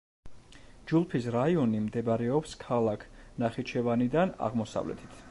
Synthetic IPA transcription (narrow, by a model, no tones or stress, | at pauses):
d͡ʒulˠpʰisɾaiɔnimd̪ɛbaɾɛɔpskʰalˠakʰnaχit͡ʃʰɛvanid̪ana̰ʁmɔsa̰vlɛ̰t̪ʰi̥t̪ʰ